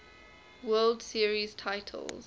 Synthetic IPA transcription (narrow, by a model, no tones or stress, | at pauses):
wɜːldsiəɹiz̥tʰaɪtʰə̰lˠz̥